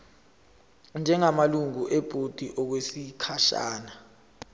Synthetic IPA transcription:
nd͡ʒʱɛŋamaluŋuʔeb̥ʱud̥ʱiʔɔk̬wesikʰaʃa̰ːna

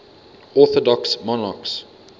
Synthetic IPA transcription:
ɔˑθɔdɔksmɔnaks

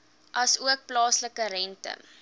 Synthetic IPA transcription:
ʔɐsuək̚plɑːsləkəɾɛntə̰

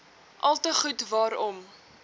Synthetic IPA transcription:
ʔɐlˠtəχutvɑːɾɔm

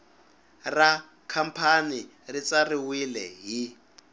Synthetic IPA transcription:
ra | kʰam̩pʰani | rit͡sariwilɛ̰ɦi

